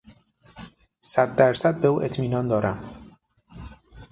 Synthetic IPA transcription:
sat̪ːaɾsat̪̚bewḛt͡s̪minɔnd̪ɔɾa

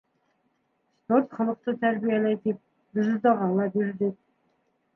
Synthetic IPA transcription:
spoɾt̪χɑlˠəq̚t̪ət̪ʰæɾbijælʲæjd̪ep̚ | d̪ɪzzd̪ɑʁɑlˠɑbeɾd̪ed̪

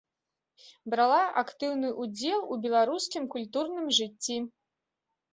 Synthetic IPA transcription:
bɾalˠaʔakt̪ɨwnɨʔud͡zʲɛlˠubʲɛlˠaɾuskʲimkulʲt̪urnɨmʐɨt͡sʲːi

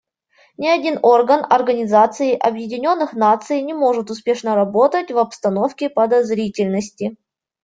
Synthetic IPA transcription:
nʲɪɐdʲino̞rɡənɐrɡənʲɪzat̪sɨɪʔɐbjɪdʲɪnʲo̞nːɨxnat̪sɨjnʲɪmo̞ʐɨt̪ʊspʲe̞ʂnəɾɐbo̞t̪ətʲvɐpst̪ɐno̞fkʲɪpəd̪ɐzɾʲitʲɪlʲnəsʲtʲɪ

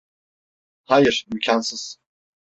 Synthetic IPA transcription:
hajɨɾmykʰʲansɨz̥

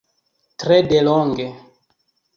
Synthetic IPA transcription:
tɾɛdelɔŋɡe

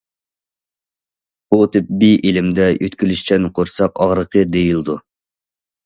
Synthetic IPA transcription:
b̥ut̪ʰɪp̚biʔelɪmd̪ɛjøt̪kʲʰylyʃt͡ʃʰɛnqʰoɾsɑqɑʁɾəqʰəd̪ejilˠd̪u

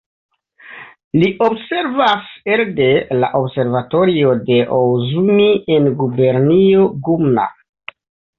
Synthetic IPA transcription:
liʔo̞bse̞ɾvaseɾde̞la̰ʔobse̞ɾvato̞ɾio̞de̞ʔowzumienɡube̞ɾnioɡumna̰

